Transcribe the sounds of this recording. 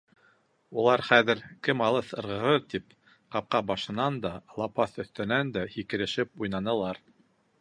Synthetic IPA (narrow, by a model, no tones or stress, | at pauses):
ulˠɑɾχæðɘ̆ɾkɘmɑlˠɤθɤ̆ɾʁɤ̆ɾɤɾt̪ip | qɑp̚qɑbɑʃɤ̆nɑnd̪ɑlˠɑpɑθɵ̆θt̪ɘ̆nænd̪æhikɘ̆ɾɘ̆ʃɘp̚ujnɑnɤ̆lˠɑɾ